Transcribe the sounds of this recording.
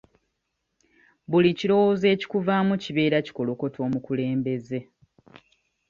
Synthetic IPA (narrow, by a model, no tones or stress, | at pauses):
buliciɾo̞woze̞ːci̥kuvaːmuciβe̞ːɾaci̥ko̞lo̞ko̞tʰo̞ːmukule̞ːmbe̞ze̞